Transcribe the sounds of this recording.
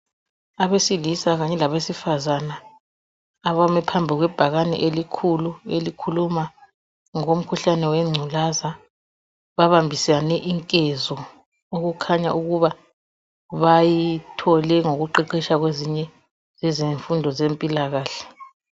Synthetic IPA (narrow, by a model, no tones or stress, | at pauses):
aβesilisaɣaɲɛlaβesifazanaː | βamɛpʰambʱiɣwɛb̥ʱaɣanɛ̰ʔelikʰuluelikʰuluma | ŋom̩kʰuɬanɛwɛŋ͡ǀʱulaza | βaβambʱisanɛʔiŋkʼɛzɔ | oɣukʰaɲa̰ʔuɣuβa | βajitʰɔlɛŋoɣuǃiǃiʃaɣweziɲɛ | zɛzeɱfundʱɔzempʼilaɣaːɬɛ̥